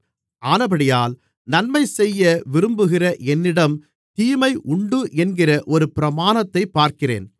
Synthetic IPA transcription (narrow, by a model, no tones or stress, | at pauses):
ʔaːnɐbɐɽɪjaːl | nɐnmɐɪsɛjːɐʋɪɾɯmbɯɣɪrɐʔɛnːɪɽɐm | t̪iːmɐɪʔʊɳɖɯʔɛnɡɪrɐʔɔɾɯpɪɾɐmaːnɐt̪ːɐɪpːaːɾkɪrḛːn